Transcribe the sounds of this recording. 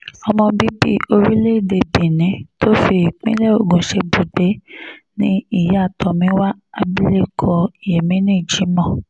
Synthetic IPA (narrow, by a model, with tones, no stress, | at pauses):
ɔ˧mɔ̃˧bi˦bḭ˦o˧ɾi˦le˦˨de˧bĩ˨nĩ˨˦to˦fi˧˨k͡pĩ˦lɛ˦o˦˨ɡũ˨ʃe˧bu˨de˨˦nĩ˦i˦˨ja˨˦a˦˨tʰɔ˨mĩ˨˦wa˦a˨bi˦le˦kʰɔ˧i˨jɛ˨mĩ˦nẽ˦˨d͡ʒi˨˦mɔ̃˦˨